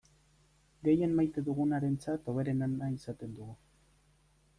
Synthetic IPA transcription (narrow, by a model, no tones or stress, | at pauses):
ɡe̞je̞nmajt̪e̞ðuɣunaɾe̞nt͡sat̪o̞β̞e̞ɾe̞nanaisat̪e̞nd̪uɣu